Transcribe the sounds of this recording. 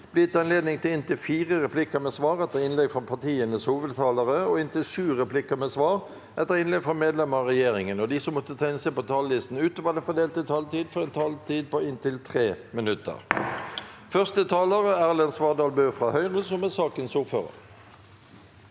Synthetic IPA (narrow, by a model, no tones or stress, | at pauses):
b̥liːt̪ɑnleːd̪nɪŋt̪ʰɪlɪnt̪ɪlfiːʁəʁɛpʰlɪkəʁmɛsʋɑːʁɛt̪ːəʁɪnlɛɡfʁɑpʰɑt̪iːənəshuːʋəd̪t̪ʰɑːləʁəɔɪnt̪ɪlʂʉːʁɛplɪkəmɛːsʋɑːʁ | ʔɛt̪ːəʁɪnlɛɡfʁɔmeːd̪lɛməʁɔʁɛjeːʁɪŋənɔd̪ɪsɔmːɔt̪ːət̪ʰɑɪnsepɔt̪ʰɑːllɪst̪n̩ʉːt̪oːʋəd̪ɛfɔd̪eːlt̪ɪt̪ʰɑːlt̪iːd̪fɔʁɛnt̪ʰɑːlt̪ʰiːd̪̚pɔɪnt̪ɪlt̪ʰʁeːmɪnʉt̪ə̰ʁ | fœʁst̪ət̪ʰɑːləʁəæːʁlɛnsʋɑːd̪ɑːlbøːfʁɑːhœʏʁəsɔmɛsɑːkənsuføːʁə̰ʁ